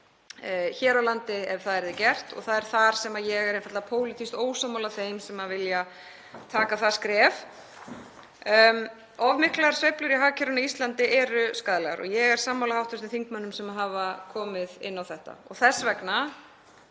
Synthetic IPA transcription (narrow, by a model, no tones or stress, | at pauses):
çɛːɾawlant̪ɪɛv̥θaðɛɾðɪcɛr̥t̪ɔ̰ɣθaðɛɾ̥θaɾ̥sɛmajɛɣɛɾẽjnfaɾt̪apʰoːwlɪt̪ʰist̪oːwsaːmːawlaθejmsɛmavɪlja | t̪ʰaːkaθḁskɾɛːv | ɔvmɪhklaɣaɾ̥svejplʏɾiɦaːcʰɪɾʏnaist̪lant̪ɪʔɛɾʏskaːðlɛɣa̰ɾɔ̰ɣjɛɣɛɾ̥saːmːawlahawht̪ʏst̪ɪθiŋkmanːʏmsɛmaɦavakʰɔːmɪðɪ̰nːawθɛht̪a̰ɔ̰ɣθɛsːvɛkna